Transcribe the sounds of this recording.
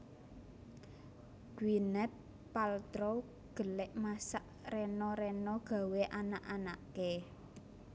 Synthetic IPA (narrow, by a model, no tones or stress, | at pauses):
ɡ̥winɛpː | alt̪ɾo | ɡ̥ə̤lɪʔmasaʔ | rɛnɔɾɛnɔɡ̥ä̤weʔanaʔanaʔke